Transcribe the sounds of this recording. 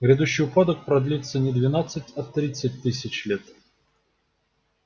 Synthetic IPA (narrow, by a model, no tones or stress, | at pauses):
ɣɾʲɛd̪uɕːiupad̪ək̚pɾad̪lʲit̪sːənʲɛd̪vʲɪnat̪sːətʲɐt̪ɾʲit̪sət̚ʲt̪ɨsʲɐt͡ɕlʲɛt̪